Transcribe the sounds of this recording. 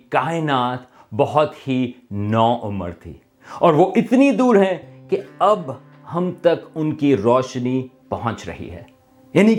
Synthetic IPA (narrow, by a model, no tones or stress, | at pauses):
kaːɪnaːt̪ | bɐɦʊt̪hinɔːʔʊmə̰ɾt̪ʰḭː | ɔːɾʋoʔɪt̪nid̪uːɾɦɛ̃keɐb | hɐmt̪ɐkʊnkiɾɔːʃnipɐɦɔ̃t͡ʃɾɐ̰ɦḭɦɛ̰ː | jaːnik